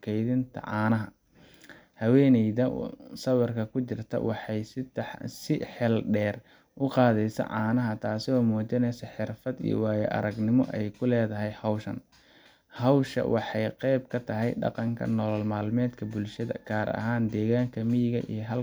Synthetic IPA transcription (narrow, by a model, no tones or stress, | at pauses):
kʰɛjðɪnt̪ʰɐ̰ʕɑːnɐɦɐ | hɐwɛːnɛjðɐ̰sɐwɑrkʰɐkʰʊt͡ʃɪrt̪ʰɐ̰wʔɑħɑjsɪsɪħɛlɖɛːr | ʔʊqɑːðɛjsɐ̰ʕɑːnɐɦɐt̪ʰaːsɪɔːmɔːt͡ʃɪnɛjsɐħɪrfɐd̪ḭjɔ̰wɑːjɛʔɐ̰ɾɐɡnɪmɔ̰ʔɛjkʰʊlɛːðɐɦɛjhɐwʃɐn | hɐwʃɐ̰wʔɑħɑjqɛjb̚kʰɐt̪ʰɐɦɛjɖɑ̰qɑŋkʰɐ̰nɔːlɔlmaːlmɛːd̪kʰɐbʊlʃɐðɐ̰ɡ̥ʰaːɾɐ̰ɦaːnd̪ɛːɣaːŋkʰɐmɪjɪɣɐ̰ʔḭjɦɐl